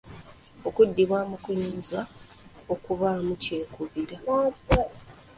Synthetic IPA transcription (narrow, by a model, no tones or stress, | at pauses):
o̞kudːiβwaːmukuɲiːnza | o̞kuβamuce̞ːkuβiɾa